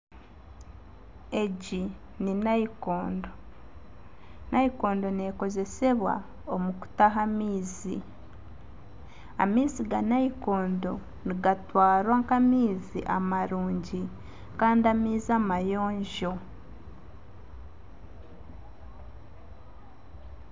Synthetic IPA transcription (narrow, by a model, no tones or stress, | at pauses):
e̞ɟi | ninaikoːndo̞ | naiko̞ːndo̞ne̞ko̞ze̞se̞βwa̰ | omuku̥taɦamiːzḭ | a̰miːziɡanaiko̞ːndo̞ | niɡatwaːɾwaŋkamiːzḭʔamaɾuːɲɟi | kaːndiamiːzamajo̞ːɲʒo̞